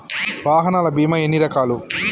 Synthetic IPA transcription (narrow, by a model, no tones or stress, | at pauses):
ʋaːɦɐnaːlɐbiːmɐenːiɾɐkaːlu